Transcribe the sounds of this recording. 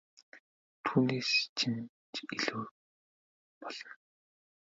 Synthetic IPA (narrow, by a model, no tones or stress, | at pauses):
t̪ʰuːneːst͡ɕʰin | t͡ɕiɮuː | pɔɮ̥ɞ̆n